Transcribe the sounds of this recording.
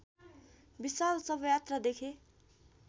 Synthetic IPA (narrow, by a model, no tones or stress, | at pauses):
bisalsʌbʌjat̪rad̪ekʰe